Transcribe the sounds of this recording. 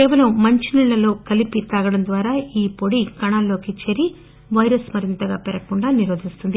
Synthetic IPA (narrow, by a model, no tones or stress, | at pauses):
kɛːʋɐlɐmːɐɲt͡ʃiniɭːɐlo̞ːkɐlipit̪aːɡɐɽɐnd̪ʋaːɾaːiːpoɽikɐɳaːlːo̞ːkit͡ʃeɾi | ʋɐjɾɐsmɐɾint̪ɐɡaːpɛɾɐkuɳɖaːniɾoːd̪ist̪und̪i